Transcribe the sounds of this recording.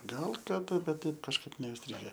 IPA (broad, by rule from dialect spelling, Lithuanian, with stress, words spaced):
ˈɡɐlˠ kɐˈdɐ ˈbʲɛt ˈtɐɪp kɐʃˈkɐɪp nʲɛɪsʲˈtʲrʲɪɡʲɛ